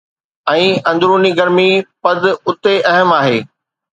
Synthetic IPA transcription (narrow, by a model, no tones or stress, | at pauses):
ɛ̃ːɐ̃nd̪ɾuːniɡɐɾmipɐd̪ɪ̆ʊt̪eʔɐɦəmaːɦeː